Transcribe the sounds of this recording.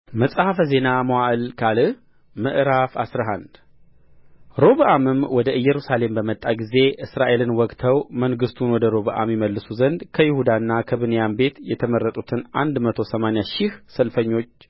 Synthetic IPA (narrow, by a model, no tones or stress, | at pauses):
məsʼhafəze̞naməwaʔɨlkʰalɨ | mɨʔɾafa̰sɾaɦand̪ | ɾo̞βəʔamɨmwɔd̪əʔɨjːɛɾusale̞mbəmət̪ʼːaɡize̞ʔɨsɾaʔe̞lɨnwɔkʼt̪ʰəwməŋɡɨst̪ʰunwɔd̪əɾo̞βɨʔa̰mjɛməlːɨsuzənd̪kʰəjɪhud̪anːakʰəβɨnjambe̞t̪jɛt̪ʰəməɾːət̪ʼut̪ʰɨnʔa̰nd̪mət̪ʰo̞səmanɪjaʃɪhsəlfəɲːo̞t͡ʃː